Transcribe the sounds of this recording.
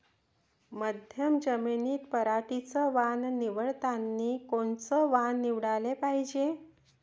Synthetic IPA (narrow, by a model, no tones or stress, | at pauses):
məd̪ʱjəmd͡ʑəminiːt̪pəɾaʈit͡səʋanniʋəɭt̪anːikoɳt͡səʋanːiʋɽalepaɦid͡ʑe